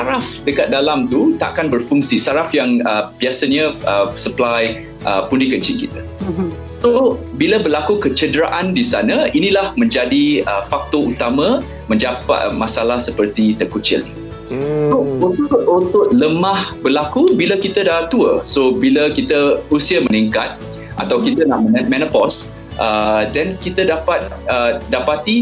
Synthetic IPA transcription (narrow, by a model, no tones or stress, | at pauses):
saɾafdəkat̪̚dalamt̪ut̪a̰ʔkanbərfuŋsisaɾafjaŋəbiasəɲəəsəplaj | ʔəpundikət͡ʃɪŋkit̪ə | sobiləbərlakukət͡ʃədɾa̰ʔandisanə̃inĩlahmə̃ɲd͡ʒadiəfak̚t̪out̪amã | mə̃ɲd͡ʒapa̰ʔmasalahsəpərt̪it̪əkut͡ʃɪ̰l | sout̪ʊut̪ʊʔ̚ləmãhbəlakubilakit̪ədat̪uə̰sobiləkit̪əusiəməniŋkat̪̚ | ʔa̰t̪awkit̪əna̰ʔməmɛ̃nəpɔs | ʔədɛnkit̪ədapat̪̚ədapat̪i